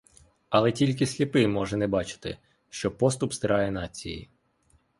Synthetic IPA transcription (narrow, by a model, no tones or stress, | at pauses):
ɐlˠɛtʲilʲk̬ɪsʲlʲipɪmɔʒɛnɛbɑt͡ʃɪ̥t̪ɪ̰ | ʃt͡ʃɔpɔst̪ʊpst̪ɪɾʔɑjɛnɑt͡sʲijḭ